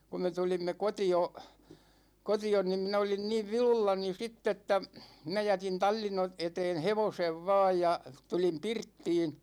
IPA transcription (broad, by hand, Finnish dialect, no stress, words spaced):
ku me tulimːe kotio kotion nim min olin niːʋ ʋilulːɑni sitː etːæ minæ jætin tɑlʲːin o eteːn heʋoseʋ ʋɑːj jɑ tulim pirtːiːn